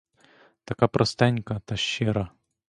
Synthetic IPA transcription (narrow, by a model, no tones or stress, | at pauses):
t̪ɐkapɾʔɐst̪ɛnʲkɐt̪aʃːɛɾɐ